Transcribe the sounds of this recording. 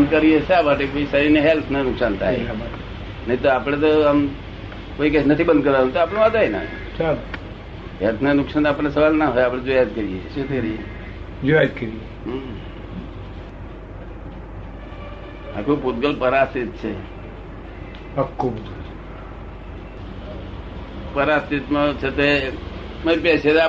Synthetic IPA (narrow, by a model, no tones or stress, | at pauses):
bənd̪̚kəɾijet͡ʃaʋaʈekoisaɾineɦelt̪ʰnanʊksant̪ʰa̰ɦḛba | naĩt̪oapɽ̃et̪̬oəm | koikat͡ʃʰnət̪ʰibənd̪̚kəɾãt̪oaːpəɳ̃eʋat̪aena̰ | t͡ʃa | ɦelt̪ʰnanʊksant̪aːpəɽ̃esəʋalnaɦojapɽ̃ed͡ʒojat̪̚kəɾijeet̪kəɾie | d͡ʒojat̪kəɾie | a̰koput̪̚ɡəlpəɾast̪it̪̚t͡ʃʰe | ɐkːoput̪ɡəl | pəɾast̪it̪met͡ʃʰet̪e | məjpeset̪ː